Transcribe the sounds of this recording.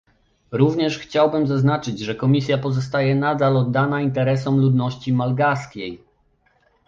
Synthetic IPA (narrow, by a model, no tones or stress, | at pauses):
ɾuvɲɛʂxt͡ɕawbɘmzaznat͡ʂɘd͡ʑʐɛkɔmʲisʲjapɔzɔst̪ajɛnad̪alɔd̪ːanaint̪ɛɾɛsɔmlud̪nɔɕt͡ɕimalɡaskʲej